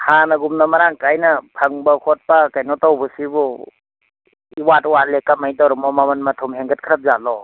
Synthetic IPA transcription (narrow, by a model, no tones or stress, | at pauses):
hanɐɡumnɐmɐɾaŋkajnɐpʰaŋbɐkʰɔt̚pakajnɔtawbusibɔ | iwatwalekamajdɔwɾɔmɔmamɐnmɐtʰɔmɦeŋɡɐt̚kʰɾap̚zalɔ